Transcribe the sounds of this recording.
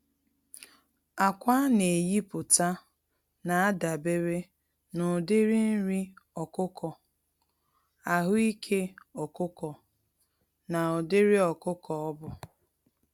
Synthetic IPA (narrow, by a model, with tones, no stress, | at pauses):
a˨kʷa˦ne˨ji˦pʊ˨ta˦ | na˨a˦da˨be˦ɾe˦ | nʊ˨dɪ˦ɾi˦n̩˦ɾi˦ɔ˨kʊ˦kʰɔ˨ | a˨ɦʊ˦i˦kʰe˦ɔ˨kʊ˦kɔ˨ | na˨ɔ˨dɪ˦ɾi˦ɔ˨kʊ˦kɔ˨ɔ˦bʊ˨